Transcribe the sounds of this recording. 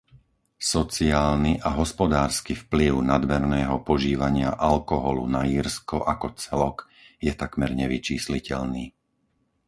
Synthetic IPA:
sɔt͡siaːlniʔaɦɔspɔd̪aːɾskifpliʊnad̪mɛɾnɛːɦɔpɔʒiːʋaɲɪaʔalkɔɦɔlṵnaiːɾskɔʔakɔt͡sɛlɔk | jɛt̪akmɛɾɲɛʋit͡ʃiːslicɛʎniː

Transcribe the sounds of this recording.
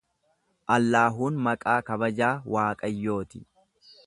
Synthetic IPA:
ʔɐlːaːɦuːnmɐkʼaːkɐbɐd͡ʒaːwaːkʼɐjːo̞ːt̪ɪ

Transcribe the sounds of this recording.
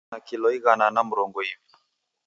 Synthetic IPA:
akilɔiɣananam̩ɾɔŋɡɔivi

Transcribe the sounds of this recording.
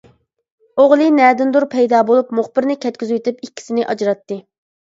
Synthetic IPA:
oʁlˠɨnɛd̪ɪnd̪uɾpʰɛjd̪ɑːbolˠupmuχbɪɾnɪkʲɛt̪̚kʲyzywt̪ypikʲːi̥sɪnɪʔɑd͡ʒɾɑt̪ːɨ

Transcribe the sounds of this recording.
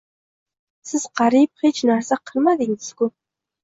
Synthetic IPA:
sɪz̥qʰɑɾip̚χet͡ʃnæɾsaqʰɨlˠmad̪ɪŋɪz̥kʊ

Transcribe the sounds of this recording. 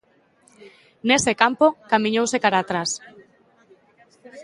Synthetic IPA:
nesekampokamĩɲowsekaɾaːt̪ɾas

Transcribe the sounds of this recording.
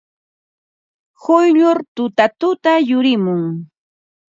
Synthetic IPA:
hʊjʎʊɾt̪ʊt̪at̪ʊt̪ajʊɾɪmʊŋ

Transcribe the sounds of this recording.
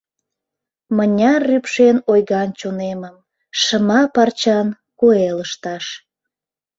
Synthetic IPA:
mənʲɑrːypʃenojɣɑnt͡ɕoneməm | ʃəmɑpɑrt͡ɕɑn | kueləʃt̪ɑʃ

